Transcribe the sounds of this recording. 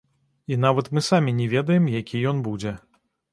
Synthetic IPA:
in̪avɐt̪mɨsamʲinʲɛvʲɛd̪ɐjɛmjakʲijɔnbud͡zʲɛ

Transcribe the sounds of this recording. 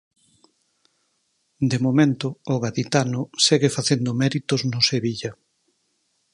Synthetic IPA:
d̪emomẽnt̪ʊːɣaðit̪anʊseɣefaθend̪ʊmɛɾit̪ʊznʊseβiʎɐ

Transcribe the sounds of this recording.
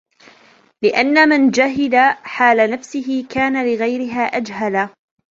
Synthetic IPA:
lɪʔanːamand͡ʒaɦɪdaħaːlanafsɪɦɪkaːnalɪɣajɾɪɦaːʔad͡ʒɦala

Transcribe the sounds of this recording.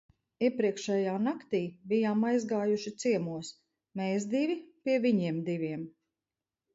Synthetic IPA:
iɛpɾiɛkʃɛjaːnakt̪iːbijaːmajzɡaːjuʃit̪siɛmuɔs | mɛjzd̪ivʲipʲiɛviɲiɛmd̪ivʲiɛm

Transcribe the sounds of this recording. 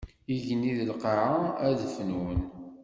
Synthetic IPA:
iʝəniðəlqəʕaæðfnwən

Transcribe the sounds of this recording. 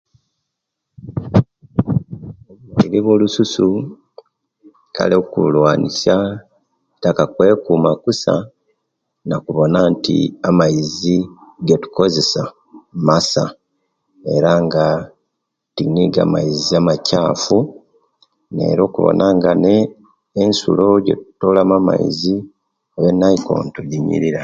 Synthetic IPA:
oβwaiɾeβwo̞ːlususu | ka̰lekulwaːnisja | takakwe̞ːkumakusa̰ | nakuβo̞naːntḭamaiziɡetu̥ko̞ze̞sa | masa | e̞ɾaŋɡa | tiniɡa̰maiziamacaːfu | ne̞̰ːɾo̞ːkuβo̰nʔaŋɡane̞ː | nsṵlo̞ɟe̞̰tu̥tolamama̰ḭzi | oβenːajiko̞̰ntuɟiɲḭɾiɾa

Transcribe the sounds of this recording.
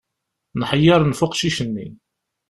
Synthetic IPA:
nħəjːɑɾˤnfʊqʃiʃənːḭ

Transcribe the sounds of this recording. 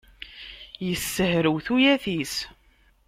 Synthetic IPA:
jəsːəhɾəwθujæθis

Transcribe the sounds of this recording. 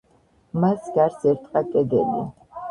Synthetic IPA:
masɡaɾsɛɾt̪ʼqʼakʼɛd̪ɛnɛ̰

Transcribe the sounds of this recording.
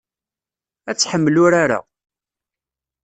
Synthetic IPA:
æt͡sːħəmːəlʊɾaɾa̰

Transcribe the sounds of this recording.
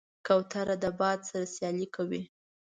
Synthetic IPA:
kawt̪aɾad̪əbɑd̪saɾasjɑlikʰawi

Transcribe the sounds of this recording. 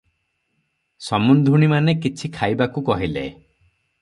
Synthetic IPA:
sɔmund̪ʱuɽ̃imanekit͡ʃʰikʰajbakukɔɦilḛ

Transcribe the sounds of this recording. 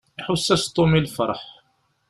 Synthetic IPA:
iħʊsːæst̪ˤːomilfɑ̰ɾˤħ

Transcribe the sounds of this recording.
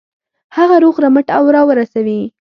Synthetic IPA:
haɣaɾoɣɾaməʈawɾɑwəɾasawi

